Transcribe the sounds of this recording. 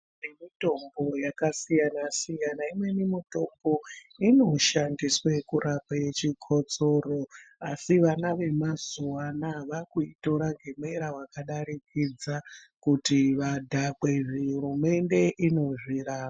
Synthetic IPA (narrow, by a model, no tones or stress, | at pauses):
nemito̞mbo̞jakasijanasijanaimwe̞nimito̞mbo̞ | ino̞ʃandiswe̞kurapaet͡ʃikʰo̞t͡so̞ro̞asiʋanaʋe̞mazuwanaʋakuito̞ɾaŋɡʱe̞me̞ɾawakaɗaɾikid͡za | kutiʋadʱakweʐiɦuɾume̞nde̞ʔino̞ʐiraːa